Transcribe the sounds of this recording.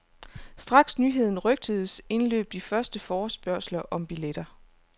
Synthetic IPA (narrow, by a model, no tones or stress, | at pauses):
sd̥ʁɑ̈ɡ̥snyːɦe̝ð̰ˠn̩ʁœɡ̥̚d̥əðˠəse̝nlø̰ːb̥̚d̥ifɶɐsd̥əfɒːsb̥ɶɐ̰slɐʔɒ̽mb̥iled̥ɐ